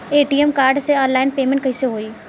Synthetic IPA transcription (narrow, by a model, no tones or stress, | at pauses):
eːʈiːɛmkaːɾɖseɔ̃ːnlaːɪnpeːmẽɳʈ̚kəɪseɦoːiː